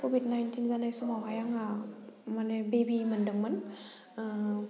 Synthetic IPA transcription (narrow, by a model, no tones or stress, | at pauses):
kobʱidnajntʰinzanajsumawɦajaŋamanebebimɐndɯŋmɐn